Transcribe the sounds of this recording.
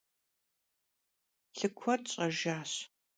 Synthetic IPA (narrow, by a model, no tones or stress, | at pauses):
ɬɨkʷʰɔtɕʼɐʒaːɕ